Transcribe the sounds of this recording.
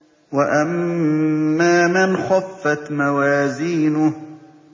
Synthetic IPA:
waʔamː | aːmɪnxɑfːat̪mawaːziːnʊ

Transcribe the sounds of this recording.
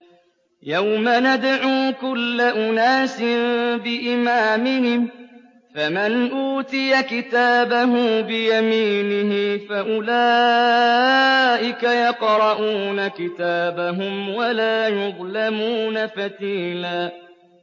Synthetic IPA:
jawmanad̪ʕuːkʊlːaʔʊnaːsɪbɪʔɪmaːmɪhɪm | famɪnʔuːt̪ɪjakɪt̪aːbaɦʊmbɪjamiːnɪɦɪfaʔʊlaː | ʔɪkajɑqɾˤɑʔuːnakɪt̪aːbaɦʊmwalaːjʊðˤlamuːnafat̪iːnaː

